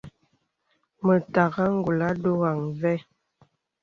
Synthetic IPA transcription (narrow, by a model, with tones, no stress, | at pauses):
mə˨ta˨ɣa˦ŋ̩˦ɡu˨la˦do˦ɣa˨ŋvɛ˦